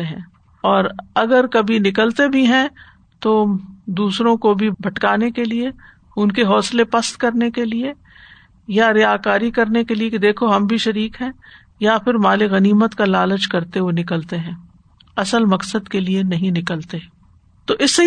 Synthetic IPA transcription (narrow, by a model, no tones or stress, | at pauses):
eɦɛ̃ː | ɔːɾɐɡəɾkɐbʱinɪkəlt̪ebʱiɦɛ̃ | t̪oːd̪uːsɾõkobʱibʱɐʈkaːnekelie | ʊnkeɦɔːslepɐst̪kɐɾnekelie | jaɾjaːkaːɾikɐɾnekeliekid̪eːkʰoɦɐmbʱiʃɐɾiːkɦɛ̃ː | japʰɪɾmaːleɣɐniːmət̪kalaːlət͡ʃkɐɾt̪eɦonɪkəlt̪eɦɛ̃ː | ɐsəlmɐksəd̪kelienɐɦĩnɪkəlt̪eɛ̃ | t̪oːʔɪsːe